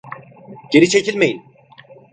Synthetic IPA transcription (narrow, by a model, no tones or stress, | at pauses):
ɟ̥e̞ɾit͡ʃʰecʰilʲmejin